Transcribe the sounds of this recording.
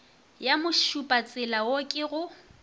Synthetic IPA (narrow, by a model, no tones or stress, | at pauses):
jamʊʃupʼat͡sʼɪlawokʼɪɣʊ